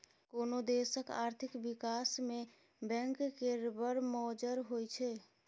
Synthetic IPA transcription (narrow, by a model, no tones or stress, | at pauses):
konod̪esəka̰ːɾt̪ʰikbikasme | bɛ̃ŋkːeɾbəɾmɔd͡ʒəɾɦojt͡ʃʰɛ